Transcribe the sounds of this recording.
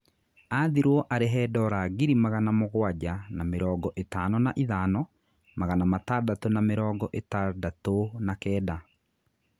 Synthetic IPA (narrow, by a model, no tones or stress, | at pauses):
aðiɾwɔʔaɾeɦɛːdɔɾaɣiɾimaɣanamoɣwaɟanameɾɔːɡɔʔetaːnɔnaʔiðaːnɔ | maɣanamataːdatonameɾɔːɡɔʔetadatonakɛːda